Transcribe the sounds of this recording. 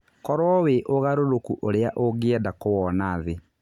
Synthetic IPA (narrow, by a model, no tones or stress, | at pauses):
kɔɾwɔweʔoɣaɾoɾokṵʔoɾeaʔoɣeɛdakowɔnaːðe